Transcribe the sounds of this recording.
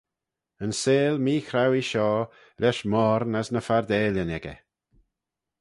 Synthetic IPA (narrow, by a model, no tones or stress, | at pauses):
ənseːlmiːxɾawiʃɔː | ɾɛʃmɔːɾnəsnəfaɾd̪ɛːlənɛɡɛ̰